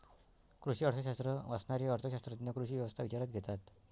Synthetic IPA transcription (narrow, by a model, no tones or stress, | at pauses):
kɾuɕiːəɽsəɕast̪ɾəʋasnaɾiəɽt͡səɕast̪ɾət̪inəkɾuɕiːʋjɛʋəst̪ʰaʋit͡ɕaɾat̪̚ɡʱɛt̪at̪